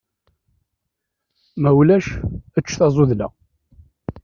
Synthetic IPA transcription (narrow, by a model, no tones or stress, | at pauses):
mæwlæʃət͡ʃːθɑzˤoðlæ̰